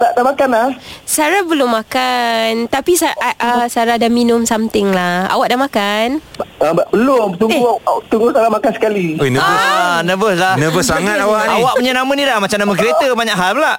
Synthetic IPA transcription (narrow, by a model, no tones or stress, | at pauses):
daʔdamakanlahsaɾabəlʊmːakant̪apisaʔəsaɾadaminʊmsamt̪ɪŋlaha̰waʔdaʔmakanəbaʔbəlʊmt̪uŋɡut̪uŋɡusaɾamakansə̥kaliojnəbəsanəbəslanəbəssɾaŋat̪awaʔawaʔəɲənamənidahmat͡ʃamnamə̃k̬əɾet̪əbaɲaʔɦalpəlaʔ